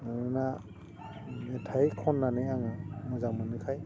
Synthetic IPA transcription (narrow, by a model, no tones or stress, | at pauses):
ɯnɯna | mɛtʰajkʰɔnːanɯjaŋɯmɯzamɯnɯkʰaj